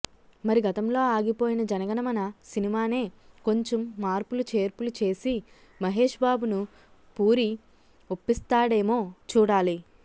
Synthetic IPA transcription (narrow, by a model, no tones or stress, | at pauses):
mɐɾiɡɐt̪ɐmlo̞ːaːɡipo̞ːjinɐd͡ʒɐnɐɡɐnɐmɐnɐsinimaːne̞ːko̞ɲt͡ʃemːaːɾpulut͡ʃe̞ːɾpulut͡ʃe̞ːsi | mɐɦe̞ːʂbaːbunu | puːɾi | opːist̪aːɽe̞ːmo̞ːt͡ʃuːɽaːli